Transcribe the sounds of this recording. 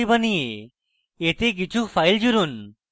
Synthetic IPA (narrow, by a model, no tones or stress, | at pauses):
ibənije | et̪ek̬it͡ʃʰufʰajld͡ʑuɾun